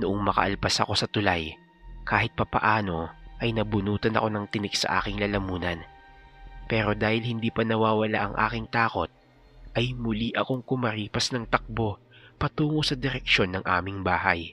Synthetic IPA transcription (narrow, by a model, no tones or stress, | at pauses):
nʊʔoŋmɐkɐ̰ʔɐlpɐsɐ̰ko̞sɐt̪ʊlaj | kaːɦɪt̪̚pɐpɐ̰ʔaːno̞ʔɐjnɐbʊnuːt̪ɐnɐ̰ko̞nɐŋt̪ɪnɪɡ̥sɐ̰ʔa̰ːkɪŋlɐlɐmuːnɐ̰n | pɛːɾo̞d̪aːhɪlhɪnd̪iːpɐnɐwaːwɐla̰ʔɐŋʔa̰ːkɪŋt̪aːko̞t̪̚ | ʔɐjmʊliʔɐko̞ŋkʊmɐɾiːpɐsnɐŋt̪ɐk̚bo̞ | pɐt̪uːŋosɐd̪ɛɾɛkʃo̞nːɐŋʔaːmɪŋbaːɦɐj